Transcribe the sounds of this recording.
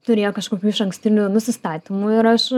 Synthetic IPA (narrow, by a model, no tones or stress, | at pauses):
t̪ʊɾʲeːjoːkɐʃkoːkʲuːɪʃɐŋksʲt̪ʲɪnʲunʊsʲɪst̪ɑːt̪ʲɪmʊɪɾɐʃ